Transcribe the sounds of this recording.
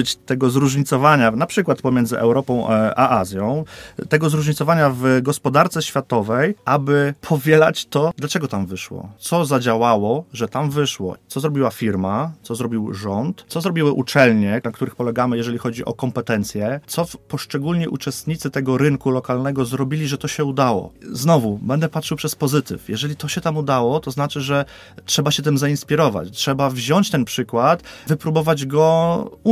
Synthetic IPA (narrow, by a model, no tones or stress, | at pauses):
t͡ɕt̪ɛɡɔzɾuʐɲit̪sɔvaɲanapʂɘkwat̪pɔmʲjɛnzɘʔɛ̰wɾɔpɔ̃w̃ʔa̰ʔazʲjɔ̃w̃t̪ɛɡɔzɾuʐɲit̪sɔvaɲavɡɔspɔd̪aɾt̪sɛɕfʲjat̪ɔvɛjʔabɘpʰɔvʲjɛlat͡ɕt̪ɔd̪lat͡ʂɛɡɔt̪amvɘʂwɔ̰t̪sɔzad͡ʑawawɔʐɛt̪amvɘʂwɔ̰sɔzɾɔbʲiwafʲiɾmasɔzɾɔbʲiwʐɔnt̪sɔzɾɔbʲiwɘʔut͡ʂɛlɲɛnakt̪uɾɘxpɔlɛɡamɘjɛʐɛlʲixɔd͡ʑiʔɔ̰kɔmpɛt̪ɛnt̪sʲjɛt̪sɔpɔʂt͡ʂɛɡulɲɛʔut͡ʂɛst̪ɲit̪sɘt̪ɛɡɔɾɘŋkulɔkalnɛɡɔzɾɔbʲilʲiʐɛt̪ɔɕɛud̪awɔ̰znɔvubɛnd̪ɛpatʂɘwpʂɛspɔzɘt̪ɘ̰fjɛʐɛlʲit̪ɔɕɛt̪amud̪awɔt̪ɔznat͡ʂɘʐɛ | tʂɛbaɕɛt̪ɘmzainspʲiɾɔva̰t͡ɕtʂɛbavʑɔɲt͡ɕt̪ɛnpʂɘkwat̪vɘpɾubɔvad͡ʑɡɔ